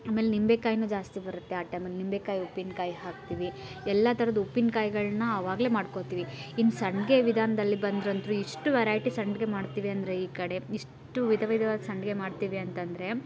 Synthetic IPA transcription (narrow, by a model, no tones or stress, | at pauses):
aːme̞ːlenimbekaːjnuːd͡ʒaːst̪ibɐɾut̪ːeaːʈɐːmelnimbekaːjupːinkaːjɦaːk̚t̪iʋi | ɛlːɐt̪ɐɾɐd̪ɐupːinkaːjɡɐɭnɐːʋaːɡleːmaːɖko̞t̪iːʋiinːusɐɳɖɡe̞ʋid̪ʱaːnɐd̪ɐlːibɐnd̪ɾɐnt̪ɾuiʂʈuʋɛɾaːjʈisɐɳɖɡe̞maːɖt̪iːʋiɐnd̪ɐɾe̞iːkɐɽe̞iʂ | ʈuʋid̪ʱɐʋɐjd̪ʱɐʋaːd̪ɐsɐɳɖɡe̞maːɖt̪iʋiɐnt̪ɐnd̪ɐɾe̞